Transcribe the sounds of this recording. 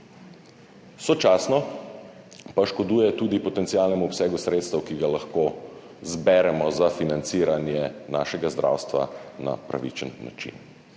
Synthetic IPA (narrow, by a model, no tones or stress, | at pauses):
sɔt͡ʃaːsnɔ | paʃkɔd̪uːjɛt̪uːd̪ipɔt̪ɛnt̪siaːlnɛmuɔpsɛːɡusɾet̪st̪əwkiɡalaxkoː | zbɛɾɛmɔzafinant̪siːɾanjɛnaːʃɛɡazd̪ɾʔa̰wst̪ʋa̰na̰pɾa̰ʋḭt͡ʃənːa̰t͡ʃḭn